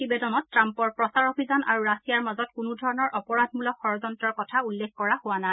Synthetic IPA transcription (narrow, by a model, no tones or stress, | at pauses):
tibedɔnɔtːɹampɔɹpɹɔsaɹobʱizana̰ɹuɹasijaɹmazɔtkʊnudʱɔɹɔnɔɹʔɔpɔɹad̚ʱmulɔkxɔɹɔzɔntɹɔɹkɔtʰaulːexkɔɹahʊwana